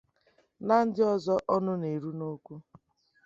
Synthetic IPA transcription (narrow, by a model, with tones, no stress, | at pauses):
na˦n̩˦dɪ˦ɔ˦zɔ˦ʔɔ˦nʊ˦ne˨ɾu˦no˦kʷu˦